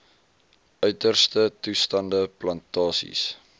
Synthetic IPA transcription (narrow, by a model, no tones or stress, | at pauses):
ʔœɥtərstətustɐndəplɐntɑːsḭs